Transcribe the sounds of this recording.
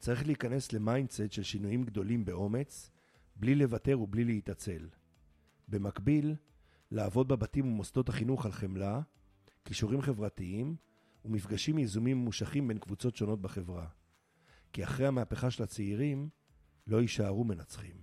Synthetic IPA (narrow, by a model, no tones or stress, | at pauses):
t͡saʁiχleikane̞sle̞majndset̪ʃe̞lʃinujimɡd̪o̞limbe̞ʔo̞me̞t͡s | blile̞vate̞ʁublileitat͡se̞l | be̞makbilː | aːvo̞d̚bebatimumosdo̞thaχinuχalχe̞mla | kiʃuʁimχe̞vʁatiim | umifɡaʃimjezumimːuʃaχimbe̞nkvut͡so̞tʃo̞no̞t̪̚baχe̞vʁa | kiaχʁehamaːpeχaʃelat͡seiʁim | lo̞iʃaːʁume̞nat͡sχim